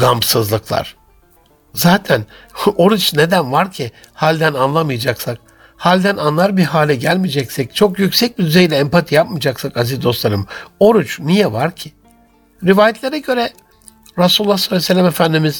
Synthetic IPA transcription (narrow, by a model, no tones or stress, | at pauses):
ɡampsɯzlˠɯklˠa̰ɾ̥ | zaːt̪ʰæno̞ɾut͡ʃne̞d̪ænvaɾcʰɪ | halʲd̪ænanlˠamɯjad͡ʒaksak̚ | halʲd̪ænanlˠaɾbiɦaːlʲɛɟælʲmid͡ʒɛcsɛc̚t͡ʃʰo̞kjycsɛc̚bid̪yzejlʲɛːmpat̪ʰijap̚mɯd͡ʒaksakazizd̪o̞st̪lˠaɾɯmo̞ɾut͡ʃnijɛvaɾcʰɪ | ɾivaːjɛt̪lʲeɾɛɟø̞ɾɛ | ɾasululːaxslːsɛlʲːamefænd̪imiz̥